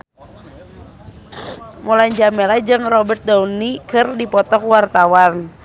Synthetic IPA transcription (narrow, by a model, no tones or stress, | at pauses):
mulajɲd͡ʒamelad͡ʒɨŋrɔbɛrt̪̚daunikɨrdipɔt̪ɔkwart̪awan